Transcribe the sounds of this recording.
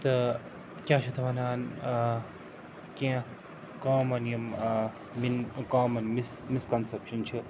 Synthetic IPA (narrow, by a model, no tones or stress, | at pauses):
t̪ɐ | kʲjaːt͡ʃʰit̪ʰɐʋɐnaːn | kẽː | kaːmɐnim | minkaːmɐnmismiskɐnsɐpʃɐnt͡ʃʰi